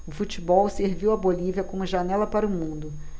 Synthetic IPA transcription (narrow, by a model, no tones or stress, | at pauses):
ʊfut͡ʃibɔwseɾviwɐboliviɐkõmʊʒanɛlɐpaɾʊmũd̪ʊ